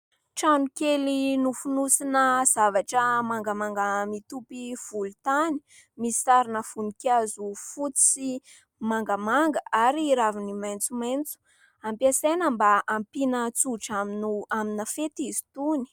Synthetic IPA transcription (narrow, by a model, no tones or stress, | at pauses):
ʈ͡ʂanukelinufunusinəz̥avaʈ͡ʂəmaŋɡamaŋɡəmit̪upiv̥ulut̪ani̥ | misisaɾinəfunikjazufut͡si̥si | maŋɡəmaŋɡəaɾiːɾavinimajnt͡sumejnt͡su̥ | ampiasenəmbaampinət͡suʈ͡ʂaminuaminafet̪izi̥t̪uni̥